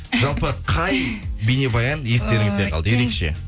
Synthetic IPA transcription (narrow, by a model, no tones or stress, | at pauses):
ʒɑlˠpəqʰɑjbejne̞bɑjɑnje̞st̪e̞ɾɪŋɪzd̪eqʰɑlˠd̪əjeɾe̞kʃe̞̰